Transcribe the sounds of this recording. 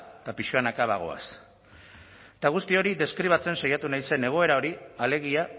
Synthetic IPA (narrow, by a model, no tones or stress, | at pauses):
t̪apiʃkanakaβaɣ̞o̞̰a̰s | t̪aɣ̞ust̪io̞ɾiðe̞skɾiβ̞at͡se̞nsajat̪unajse̞ne̞ɣ̞o̞e̞ɾao̞ɾiale̞ɣ̞ia